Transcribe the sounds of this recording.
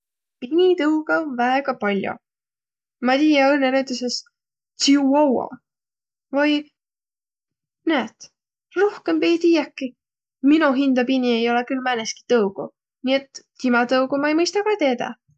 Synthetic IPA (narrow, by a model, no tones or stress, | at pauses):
pinʲit̪ɯwɡ̥ɑonvæeɡ̥ɑpɑlʲjo̰ | mɑt̪iːjɑolnenewt̪uses | t̪siuɑwɑ̰ | vɑj | næːt̪ | rohke̞mpejt̪ijɑkːi | minuɦind̪ɑpinʲie̞jo̞lekylmæneski̥t̪ɤwɡ̥u | nie̞t̪ːimɑt̪ɤwɡumɑejmɤjst̪ɑkɑt̪eːd̪ɑ̰